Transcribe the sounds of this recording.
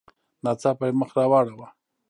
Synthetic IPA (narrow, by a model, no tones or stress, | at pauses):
nat͡sapajməxɾawɑɽawa